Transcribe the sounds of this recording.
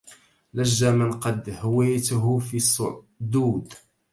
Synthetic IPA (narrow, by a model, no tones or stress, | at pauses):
læʒːamənqɑd̪hwɪjt̪ɦʊfisˤːʊ̰ | d̪uːd̪